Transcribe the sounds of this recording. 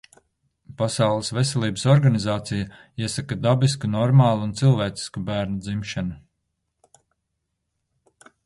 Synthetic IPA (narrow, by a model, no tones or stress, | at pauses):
pasawlˠisvesʲɛlˠiːbəsɔɾɡanizaːt̪sijaiɛsakad̪abiskunɔɾmaːlˠuunt̪silˠvɛːt̪si̥skubæːɾnud̪zimʃanu